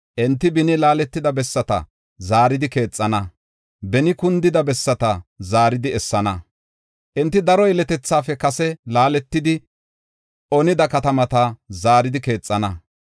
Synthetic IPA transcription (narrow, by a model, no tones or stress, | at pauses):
ʔɛnt̪ːɪbɪnɪlaːlɛt̪ːɪd̪ɐbɛsːɐt̪ɐ̰ | zaːɾɪd̪ɪke̞ːt͡sʼːɐnɐ | bɛnɪkʊnd̪ɪd̪ɐbɛsːɐt̪ɐzaːɾɪd̪ɪɛsːɐnɐ | ʔɛnt̪ːɪd̪ɐɾɔɛlɛt̪ɛt͡sːaːfɛkɐsɛlaːlɛt̪ːɪd̪ɪ | ʔɔnɪd̪ɐkɐt̪ɐmɐt̪ɐzaːɾɪd̪ɪke̞ːt͡sʼːɐnɐ